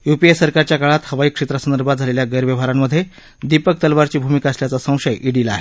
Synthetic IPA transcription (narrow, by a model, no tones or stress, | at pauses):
jupiesəɾkaɾt͡ɕjakaɭat̪həʋaiːkʂet̪ɾəsənd̪əɾbʱat̪̚d͡zʱaleljaɡəjɾʋjəʋ̤aɾamːəd̪ʱje | d̪ipək̚t̪əlʋaɾt͡ɕiːbʱumikaəsljat͡sasə̃w̃ʂəjʔiɽilaa̰ɦe